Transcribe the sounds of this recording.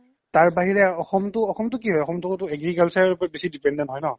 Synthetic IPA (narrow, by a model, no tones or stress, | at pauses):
taɹbaɦiɹɛɔxɔmtʊɔxɔmtʊk̬iɦɔjɔxɔmtʊtʊɛɡɹikalsaɹɔɹpɔɹɛbesidipɛndɛntɦɔjnɔ